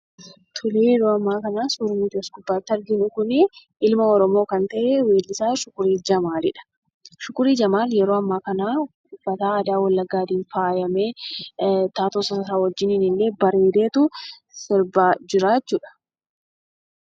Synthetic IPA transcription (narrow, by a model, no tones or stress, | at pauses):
t̪ʰʊliːjɛɾoːɐmːaːkɐnaːsʊɾmiːt̪ɔskʊbːaːt̪ːɐɾɡɪnʊkʊnɪʔɪlmɐɔɾɔmoːkɐnt̪ɐʔewe̞ːlːɪsaːʃʊkʊɾiːd͡ʒɐmaːlɪᶑɐ̥ | ʃʊkʊɾiːd͡ʒɐmaːljɛɾoːɐmːaːkɐnaː | ʊfːɐt̪aːd̪aːwɐlːɐɡːaːd̪iːnfaːjɐmeː | t̪aːt̪oːsɐsɐsaːwɐd͡ʒːɪnɪnɪlːe̞ːbɐɾeːd̪e̞ːt̪ʊ | sɪɾbaːd͡ʒɪɾaːt͡ʃːuːᶑɐ̥